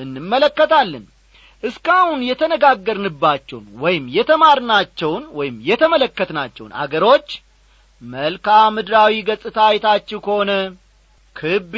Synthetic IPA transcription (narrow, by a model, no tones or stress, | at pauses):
ʔɨnːɨmːələkːət̪ʰalːən | ʔɨskahunjɛt̪ʰənəɡaɡːəɾnɨbːat͡ʃːɛwnwɔjɪmjɛt̪ʰəmaɾnat͡ʃːɛwnwɔjɪmjɛt̪ʰəmələkːət̪nat͡ʃːɛ̰wna̰ɡəɾo̞t͡ʃː | məlkʰamɨd̪ɾawiɡəsʼɨt̪ʰajɛt̪ʰat͡ʃːɛwkʰəhonə | kʰɨb